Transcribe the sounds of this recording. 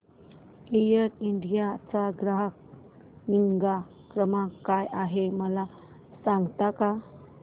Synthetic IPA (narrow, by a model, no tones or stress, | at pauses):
lijəɾinɖijat͡saɡɾaɦk̚ | niŋɡa | kɾəmakːajaɦeməla | saŋɡt̪aka